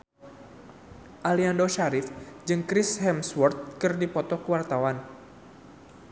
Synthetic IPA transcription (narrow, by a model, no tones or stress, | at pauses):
ʔaliandoʃaɾɪfd͡ʒɨŋkɾɪshɛmswɔrt̪̚kɨrdipɔt̪ɔkəwart̪awan